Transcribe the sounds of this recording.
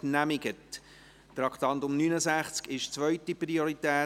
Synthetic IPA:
næmɪɡət | tɾɑktɑntʊmnyːnəsæχt͡skɪʃt͡sʋœʏtipɾioɾitɛː

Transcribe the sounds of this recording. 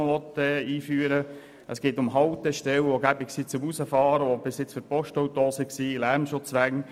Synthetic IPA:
ʋɔt̪ɛiːfyːəɾə | ʔəsɡ̥eːtʊmɦɑwt̪ɛʃtɛwoɡæbɪksit͡sʊmusəfɑːɾəob̥ɪsɪt͡sfyɾpɔʃtowt̪oːsiksiːlæɾmʃʊt͡sʋæŋ

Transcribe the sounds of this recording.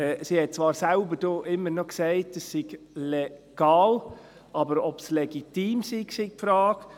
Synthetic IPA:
ɛːsihɛt̚t͡svɑːɾsaʊbədoʔɪmːəɾnɔkseɪtəssɪɡ̥ | lɛɡ̥aːl | ʔɑbəɾɔbslɛɡ̥itiːmsiɡsiɡ̥̚pfɾaːɡ̥

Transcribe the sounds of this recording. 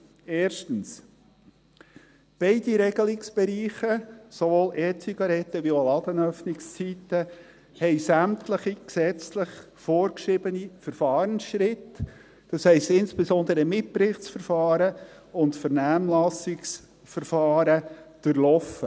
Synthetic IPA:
eːɾʃtən̩s | b̥ɛɪd̥iɾɛɡ̥əlɪksb̥ɛɾiːχəsovoːlʔɛːt͡siɡɑɾɛt̪ːəʋiolɑd̥̪ənœfnɪkst͡sit̪ːə | hɛɪsæmtləχiksɛt͡sləχ | foːɾkʃɪbənifəɾfɑːɾənsʃɾɪt | d̥ɑshɛɪst̪ɪnsb̥esɔnd̪əɾəmɪpɾɪχt͡sfəɾfɑːɾə | ʊntfəɾnæːmlɑsɪks | fəɾfɑːɾəd̥əɾlɔfə

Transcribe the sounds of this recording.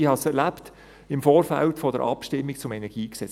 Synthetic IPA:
ihɑsɛɾlæpt | ɪmfoːɾfæ̰ltfɔdəɾʔɑ̰pʃtɪmːik̚t͡sʊmɛnɛɾɡ̥iːksɛ

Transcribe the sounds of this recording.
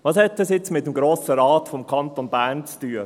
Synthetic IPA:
ʋɑːshɛtːɑsjɪt͡smɪtːəmɡɾoːsəɾɑːtfɔmkʰɑntonbæːɾnt͡styːə

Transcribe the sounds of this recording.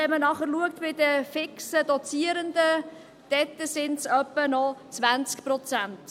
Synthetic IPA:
ɛmənɑχəɾluək̚tbɪdəfɪksədɔt͡siːəɾənd̪ə | d̥ɛtːəsɪntsœpːənɔt͡svænt͡skpɾɔt͡sænt

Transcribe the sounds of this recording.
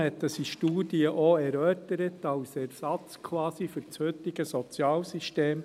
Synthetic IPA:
hɛt̪dəsiʃtuːdiəʔoɛɾœːtəɾət̪ɑwsɛɾsɑt͡skʰwɑːsifʏɾt͡shøt̪ɪɡəsɔt͡sjɑːlsiʃteːm

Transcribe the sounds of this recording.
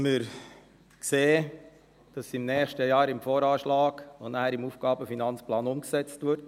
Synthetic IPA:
mɪɾ | kseː | d̥ɑsɪmnɛːχʃtəjɑːɾɪmfoːɾɑːʃlɑːɡ̥onææɾimuːfɡ̥ɑːbəfinɑnt͡splɑːnʊmksɛt͡stʋʏɾt

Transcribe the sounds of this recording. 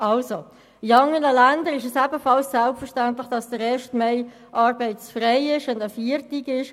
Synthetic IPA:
ɑlso | iɑŋənəlændəɾɪʃɛsæbəfɑlssælpfəʃtæntlɪχd̥ɑsd̥əɾɛːʃtmɛɪ | ʔɑːɾbɛɪt͡sfʁɛɪɪʃʊndəfiːɾtikɪʃ

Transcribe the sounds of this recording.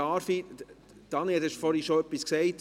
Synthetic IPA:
ɑːɾfi | d̥ɑneɛlɛʃfɔɾhiʃoœpːisksɛɪt

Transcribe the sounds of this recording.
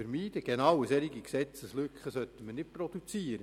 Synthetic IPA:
əɾmiːd̥əɡ̥enɑwəsɛɾiɡiksɛt͡səslʏkχəsœt̪ːəmənɪt̚pɾɔd̥̪ut͡siəɾə

